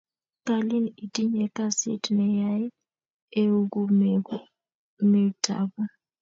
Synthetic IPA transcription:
ka˦lɪ˦ni˨ti˦ɲɛ˨ka˦sɪ̰˦tnɛ˨ja˦ɪ˦ | e˦u˦ɡu˦ | me˨tʰa̰˨bɔ˦

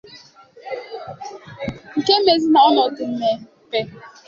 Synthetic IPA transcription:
ŋ̩˨ke˦m̩˦me˨zi˦mɔ˦ɔ˦nɔ˨˦ku˨m̩˦me˨˦k͡pe˦

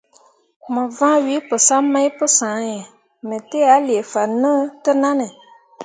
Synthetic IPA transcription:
ma˨vã˦wi˨˦pɨ˨sa˦ma˦jpɨ˦sã˨˦ɲɛ˨ | mə˨te˦a˨˦le˨fa˨nə˦tɨ˦na˦nɨ˨

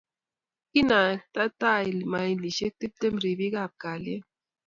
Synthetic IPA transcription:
ki˦na˨k̚t̪a˦t̪a˦i˨lima˨jni˨ʃe˦k̚t̪i˦p̚t̪e˦mɾi˨bi˦ɡa˨p̚ka˨le˦

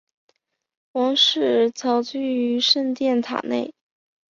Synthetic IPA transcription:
wɑ˧˥ŋʂɻ̩˥˩t͡sʰɑ˧˥ʊt͡ɕy˥˧y˧˥ʂə˥˧nt̪jɛ˥˩nt̪ʰa̰˨˩nḛ˥˩ɪ

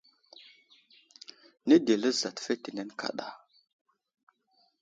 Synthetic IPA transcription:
ni˦de˨lə˦za˨tfe˦ti˨ne˦nkʰa̰˨ɗa˨

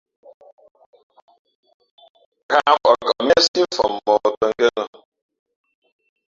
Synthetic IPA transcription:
ka˦k͡pɔ˨kɔ˨m˦e˦si˦m̩˦fɔ̰˨m˨mɔ˨kə˨ŋ̩˦ke˦nɔ˨

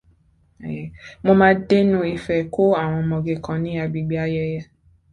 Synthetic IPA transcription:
mo˧mãː˦de˦nũ˦i˧fɛ˧˨ko˦a˦˨w̃ɔ̃˧mɔ̃˨ɡe˨kã˨nĩ˦a˧bi˧ɡ͡bi˦a˦jɛ˧jɛ˧

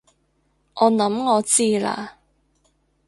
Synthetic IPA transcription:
ʔɔː˨˧nɐ˨˥mŋɔː˨˧t͡siː˥la̰ː˧

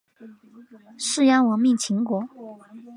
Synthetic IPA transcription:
ʂɻ̩˥˧jɑ˥ŋwə˧˥nmi˥˩ŋt͡ɕʰi˧˥ŋkwɔ˧˥

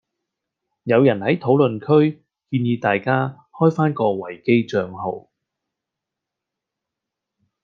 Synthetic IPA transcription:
jɐ˨˧wjɐ˨˩nhɐ˨˥jt̪ʰo˨˥wlɵ˨nkʰɵ˥ɥ | kiː˧njiː˧t̪aː˨jkaː˥ | hɔː˥jfaː˥nkɔː˧wɐ˨˩jke˥jt͡ʃœː˧ŋɦo˨˧w

